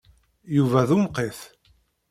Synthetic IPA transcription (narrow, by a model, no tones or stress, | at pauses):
juvæðumqeθ